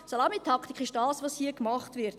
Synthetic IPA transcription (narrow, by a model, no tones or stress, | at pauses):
solɑmitʰɑkχti̥kʰχɪʃd̥ɑːsvoːshiəkmɑχtvɪɾt